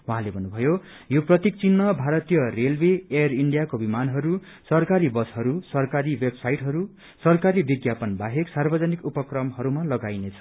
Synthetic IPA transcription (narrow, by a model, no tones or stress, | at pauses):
wuɦãlebʱʌnːubʱʌjo | joprʌt̪ik̚t͡sinːʌbʱaɾʌt̪ijʌrelbeeʌriɳɖijakobimanɦʌɾu | sʌrkaɾibʌsɦʌɾusʌrkaɾiwebsajʈɦʌɾu | sʌrkaɾibiɡjapʌnbaɦeksarbʌd͡zʌnikupʌkrʌmɦʌɾumalʌɡajnet͡sʰʌ̥